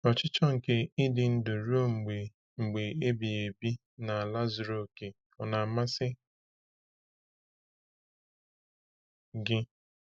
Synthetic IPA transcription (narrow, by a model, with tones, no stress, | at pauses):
ɔ˨t͡ʃɪ˦t͡ʃɔ˦ŋ̩˨ke˦i˦dɪ˨n̩˦dʊ˨ɾu˦o˦ŋ͡m̩˨ɡ͡be˨ | ŋ͡m̩˨ɡ͡be˨e˦bi˨e˨bi˦ | na˨a˨la˦zɾo˨ke˨ | ɔ˨na˨ma˦sɪ˦ | ɡɪ˦